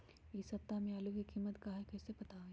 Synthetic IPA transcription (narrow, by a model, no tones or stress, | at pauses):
ɪsɐp̚t̪ːamẽalukikiːmːət̪kaɦɛkɛːsepɐt̪aɦo